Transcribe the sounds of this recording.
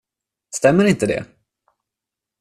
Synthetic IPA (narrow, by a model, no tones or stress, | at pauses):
st̪ɛmːəɾɪnt̪əd̪ɛ̰